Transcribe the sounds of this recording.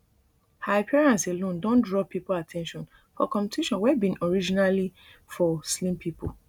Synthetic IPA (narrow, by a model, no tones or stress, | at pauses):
haapʰiɹãnselõndɔ̃ndɹɔpʰipolatʰɛ̃nʃɔ̃n | fɔ̰kɔ̃mpetʰiʃɔ̃nwɛbĩnɔɹid͡ʒĩnali | fɔslĩmpʰipʰo